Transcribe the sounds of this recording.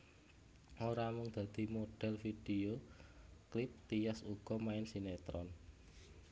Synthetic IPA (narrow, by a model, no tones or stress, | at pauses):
oɾamʊŋd̪̥a̤d̪̥i̤moɖ̥ɛ̤lfid̥eo | klɪp̚t̪ijasuɡ̥ɔ̤maɪnsinet̪ɾɔn